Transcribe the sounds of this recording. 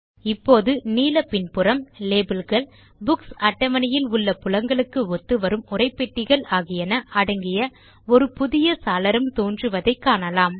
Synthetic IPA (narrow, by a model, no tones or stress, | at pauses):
ɪpːoːðɯniːlɐpɪnpɯrɐmleːbɪlɣɐɭ | bʊksɐʈːɐmɐnɐjɪlʊɭːɐpʊlɐŋɡɐɭɯkːɯɔt̪ːɯʋɐɾɯmʊrɐɪpːɛʈːɪɣɐɭaːɣɪjɐnɐʔɐɽɐŋɡɪjɐ | ɔɾɯpʊðɪjɐsaːlɐɾɯmt̪oːndrɯʋɐðɐɪkːaːnɐlaːm